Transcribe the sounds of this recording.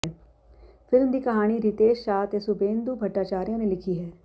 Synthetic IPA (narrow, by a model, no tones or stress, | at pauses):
fʰɪlmd̪iːkɐɦaːɽ̃iɾɪt̪eːʃʃaːt̪esʊbẽːnd̪uːbʱɐʈːaːt͡ʃaːɾijãːnelɪkʰiːɦɛː